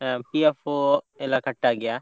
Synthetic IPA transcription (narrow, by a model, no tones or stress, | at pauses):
piafo | elakɐʈːaɡɐjaː